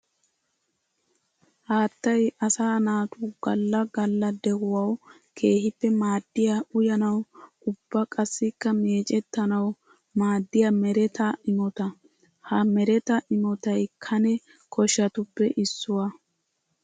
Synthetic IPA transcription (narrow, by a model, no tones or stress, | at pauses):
haːt̪ːɐjʔɐsaːnaːt̪uːɡɐlːɐɡɐlːɐd̪ɛɡʊwɐw | kʰe̞ːhɪpːɛmaːd̪ːɪjaʊjɐnɐw | ʊbːɐkʼɐsːɪkːɐmeːt͡ʃʼɛt̪ːɐnɐw | maːd̪ːɪjamɛɾɛt̪ʰɐɪmɔt̪ɐ | hɐmɛɾɛt̪ɐʔɪmɔt̪ɐjkʰɐnɛ | kʰɔʃɐt̪ʊpːɛʔɪsːʊwa